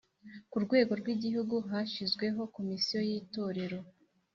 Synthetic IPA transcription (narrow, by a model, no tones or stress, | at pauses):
kuɾɡwe̞ːɡo̞ɾɡwiːɟihuɡuɦaʃizɡwe̞ɦo̞ko̞misijo̞jiːto̞ːɾe̞ɾo̞